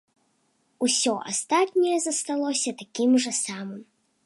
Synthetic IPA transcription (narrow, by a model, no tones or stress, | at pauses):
usʲɔʔa̰st̪at̪nʲɛjɛzɐst̪alˠɔsʲɐt̪akʲimʐɐsamɨm